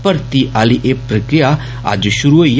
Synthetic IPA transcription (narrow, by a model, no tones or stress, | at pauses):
pɐɾt̪iʔaːliʔeːpɾɐkɾija | a̰d͡ʒʃʊɾuɦoij